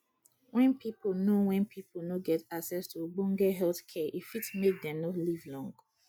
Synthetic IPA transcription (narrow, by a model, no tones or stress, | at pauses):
wɛ̃npʰipl̩nowɛ̃npʰipl̩noɡɛtaksɛstʰubũŋɡɛɦɛlθkʰɛʔifitmek̚dɛ̃mnɔtlivlɔ̃ŋɡ